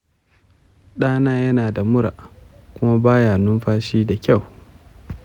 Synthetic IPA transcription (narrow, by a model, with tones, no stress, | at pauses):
ɗaː˦naː˦jɐ˦naː˨da˨mʊ˦ɾa̰˨ʔkʷʊ˦ma˦baː˦jaː˨nʊ˦mɸaː˦ʃiː˦da˨kʲa˦˨w